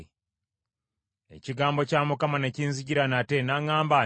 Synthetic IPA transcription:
e̞̰ciɡaːmbo̞caːmukamaneciːnziɟiɾanate̞naŋaːmba

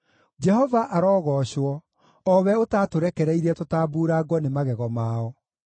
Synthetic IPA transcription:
d͡ʒɛhɔvaʔaɾɔːɣɔɕwɔ | ɔwɛotatoɾɛkɛɾɛiɾɛtotaːbuːɾaɡwɔnemaɣɛɣɔmaːɔ

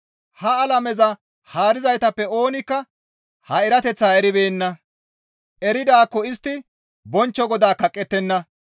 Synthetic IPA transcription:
hɐːlɐmɛzɐ | haːɾɪzɐjt̪ɐpːɛo̞ːnɪkːɐ | hɐɪɾɐt̪ɛt͡sːaːɛɾɪbeːnːɐ | ʔɛɾɪd̪aːkːɔɪst̪ːɪ | bɔnt͡ʃːɔɡɔd̪aːkɐkʼːɛt̪ːɛnːɐ

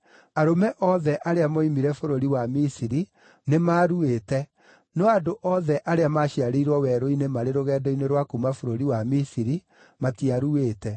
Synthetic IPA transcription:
aɾomɛʔɔðɛʔaɾeamoimiɾɛfoɾoɾiwamisiɾi | nemaːɾueːtɛ | nɔadoʔɔðɛʔaɾeamaʃiaɾeiɾwɔwɛɾoinemaɾeɾoɣɛːdɔineɾwakumafoɾoɾiwamisiɾi | matiaɾueːtɛ

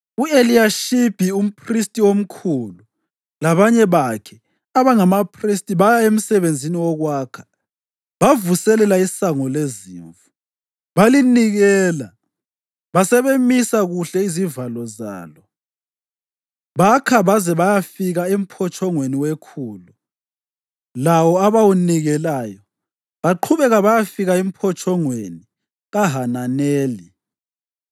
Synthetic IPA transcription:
ueliaʃib̥ʱium̩pʰristʼiom̩kʰulu | laβaɲɛβakʰɛ | aβaŋamapʰristʼiβajaem̩sɛβend͡zʱiniwɔɣwaːkʰḁ | βavusɛlɛlaisaŋɔlezḭːɱvu | βaliniɣɛːla | βasɛβemisaɣuɬɛizivalɔza̰ːlɔ | βakʰaβazɛβajafiɣaem̩pʰɔt͡ʃʰʼɔŋweniwekʰuːlu | lawɔaβawuniɣɛlajɔ | βaǃʰuβɛɣaβajafiɣaem̩pʰɔt͡ʃʼʰɔŋweni | ɣaɦananɛːli

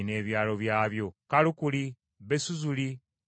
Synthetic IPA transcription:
ne̞ːβjaːlo̞βjaːβjo̞kalukuli | βesuzuli

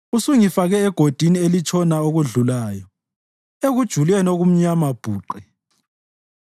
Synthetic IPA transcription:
usuŋifaɣɛːɡ̥ʱod̥ʱinielit͡ʃʰʼɔnaoɣuɮulaːjɔ | eɣud̥ʒ̥ʱulɛnoɣum̩ɲamab̥ʱuːǃɛ

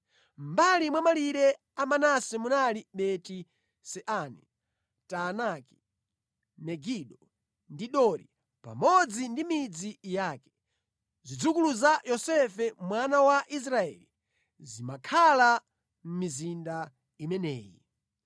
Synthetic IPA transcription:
m̩balimwamaliɾɛ | amanasɛmunaliɓɛti | sɛʔanɛ | tanaki̥ | mɛɡiɗɔ | ndiɗɔɾi | pa̰mɔd͡zindimid͡zijaːkɛ̥ | zid͡zukuluzajɔsɛfɛmwanawaʔis̬ɾaɛ̰li | zimakʰala | m̩mizinda | imɛnɛ̰ːjḭ

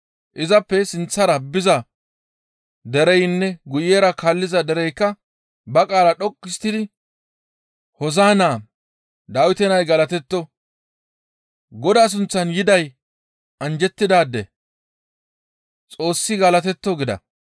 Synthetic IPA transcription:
ʔɪzɐpːɛsɪnt͡sːɐɾɐbɪzɐ | d̪ɛɾɛjnːɛɡʊjeːɾɐkalːɪzɐd̪ɛɾɛjkːɐ | bɐkʼaːlɐɗɔkʼːɪst̪ːɪd̪ɪ | hɔzaːnaː | d̪aːwɪt̪ɛnɐjɡɐlɐt̪ɛt̪ːɔ | ɡɔd̪aːs̬ʊnt͡sːɐnjɪd̪ɐj | ʔɐnd͡ʒɛt̪ːɪd̪aːd̪ːɛ̰ | t͡sʼo̞ːsːɪɡɐlɐt̪̬ɛt̪ːɔɡɪd̪ɐ̰

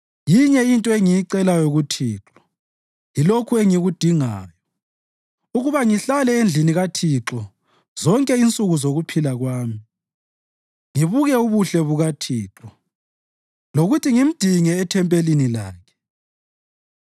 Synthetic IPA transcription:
jiɲɛintʼɔeŋijiǀɛlajoɣutʰiːǁɔ̥ | jilokʰueŋiɣud̥ʱiŋaːjɔ | uɣuβaŋiɬalɛend͡ɮʱiniɣatʰiǁɔ | z̥ɔŋkʼɛint͡sʼuɣuzoɣupʰilaɣwaːmi | ŋiβuɣɛuβuɬɛβuɣatʰiːǁɔ | loɣutʰiŋim̩d̥ʱiŋɛːtʰɛmpʼelinilaːkʰɛ̥

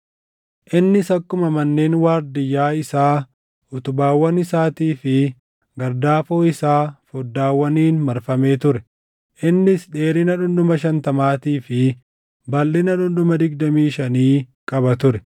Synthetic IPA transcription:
ʔɪnːɪsɐkːʊmɐmɐnːeːnwaːɾd̪ɪjːaːɪsaː | ʊt̪ʊbaːwːɐnɪsaːt̪iːfɪ | ɡɐɾd̪aːfoːɪsaːfɔd̪ːaːwːɐniːnmɐɾfɐme̞ːt̪ʊɾɛ | ʔɪnːɪsᶑe̞ːɾɪnɐᶑʊnd̪ʊmɐʃɐnt̪ɐmaːt̪iːfɪ | bɐlːɪnɐᶑʊnd̪ʊmɐd̪ɪɡd̪ɐmiːʃɐniːkʼɐbɐt̪ʊɾɛ

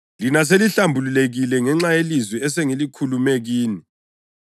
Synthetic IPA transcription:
linas̬eliɬambʱululeɣilɛŋɛŋ͡ǁajelizwɛɛsɛŋelikʰulumeɣiːni

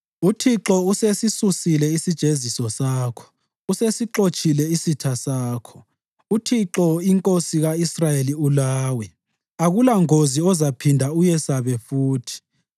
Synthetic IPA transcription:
utʰiǁɔusesisusilɛisid̥ʒ̥ʱezisɔsaːkʰɔ̥ | usesiǁot͡ʃʼilɛisitʰasaːkʰɔ̥ | utʰiǁɔiŋkʼosiɣaisrajeliulaːwɛ | aɣulaŋoziɔzapʰindʱaujɛsaβɛfuːtʰi̥

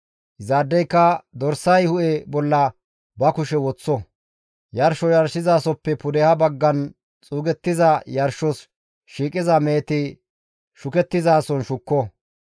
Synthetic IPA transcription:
zaːd̪ːɛjkːɐd̪ɔɾsɐjhʊʔɛbɔlːɐ | bɐkʊʃɛwɔt͡sːɔ | jɐɾʃɔjɐɾʃɪzaːsɔpːɛpʊd̪ɛhɐbɐɡːɐn | t͡sʼuːɡɛt̪ːɪzɐjɐɾʃɔs | ʃiːkʼɪzɐmeːt̪ɪ | ʃʊkɛt̪ːɪzaːsɔnʃʊkːɔ

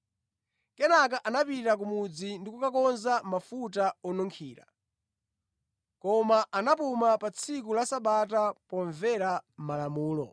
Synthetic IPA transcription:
kɛnak̬aʔanapitak̬umud͡zindikukakɔnzamafutaɔnɔŋkʰiːɾa̰ | kɔmaʔanap̬umapat͡sʰikulasaɓatapɔɱvɛɾam̩malamuːlɔ̰

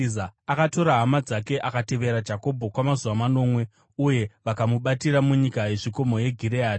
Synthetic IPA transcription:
aakato̞ɾaɦamad͡zake̞ʔakate̞ʋe̞ɾad͡ʒako̞bʱo̞kwamazuʋamano̞ːmwe̞ | uje̞ʋakamuɓatiɾamuɲikaje̞ʐiko̞mo̞je̞ɡʱiɾeaːti

